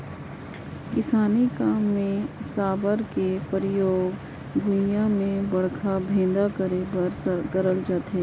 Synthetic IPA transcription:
kɪsaːnikaːmːẽsaːbəɾkepəɾɪjoːɡ | ɡʱʊjãmẽbɐɽ̤kʰabʱẽːd̪akəɾebɐɾskəɾəld͡ʒaːt̪ɦeː

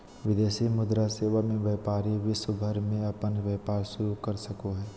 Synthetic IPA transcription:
ʋɪd̪eːʃimʊd̪ɾaseːʋamẽʋjɛːpaːɾiʋɪsəbʱəɾmẽɐpənʋɛːpaːɾsʊjoɡkɐɾsɐkoɦɛː

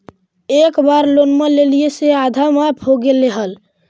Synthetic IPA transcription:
ekbaɾlonmelelijesead̪ʱamapʰoɡeleɦəl

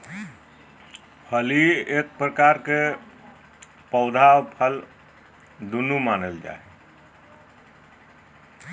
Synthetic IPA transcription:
pʰəliek̚pɾəkaɾke | pəʊd̪ʱaopʰəl | d̪unumanəld͡ʒa̰e

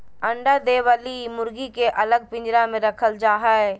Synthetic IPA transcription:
ə̃ɳɖad̪eːʋəlimʊɾɡikeʔələɡ̚pɪ̃ɲd͡ʒɾamẽɾəkʰəld͡ʒaːɦəe

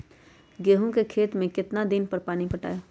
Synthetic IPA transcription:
ɡeːɦũkekʰeːt̪mẽkɪt̪nad̪ɪnpɐɾpaːnipɐʈa̰ːeː

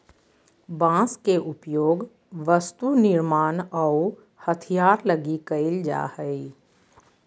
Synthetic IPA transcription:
bãːskeʔʊpjoːɡ | ʋəst̪unɪɾmaːnɔu | hət̪ʰijaːɾləɡikəɪld͡ʒa̰ːhəi

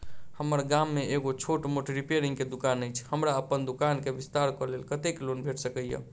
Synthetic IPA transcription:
həməɾɡamːeeɡot͡ʃʰoʈmoʈɾipeɾĩŋɡked̪ukanːəjt͡ʃʰhəmɾaəpənd̪ukankebist̪aɾkɔlelkət̪eklonbʱeʈsəkəjə̰

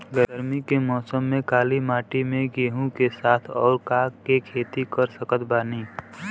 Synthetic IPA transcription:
ɡəɾmikemɔːsəmːẽkaːlimaːʈimẽɡeːɦũkesaːt̪ʰɔ̰ːɾkakekʰeːt̪ikəɾsəkət̪baːniː

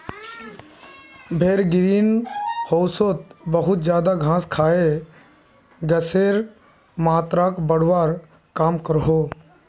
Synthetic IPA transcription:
bʱeːɾɡɪɾiːnhoːsot̪bəɦʊt̪̚d͡ʒjaːd̪aɡʱãːskʰaːe | ɡəseːɾ | maːt̪ɾakbəɽʋaːɾ | kaːmkəɾɦoː

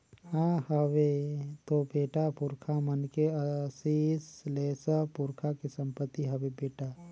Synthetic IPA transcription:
hãhəʋet̪obeːʈapʊɾkʰamənkeəsiːsleːsəpʊɾkʰakesə̃mpət̪ːiɦəʋebeːʈa

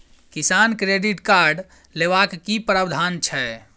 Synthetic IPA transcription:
kisankɾeɖiʈkaɾɖ | leʋakːipɾəbd̪ʱant͡ʃʰɛ

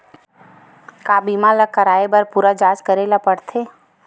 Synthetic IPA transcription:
kaːbiːmalakəɾaːebɐɾpuːɾad͡ʒaːd͡ʒkəɾeːlapɐɽt̪ʰeː

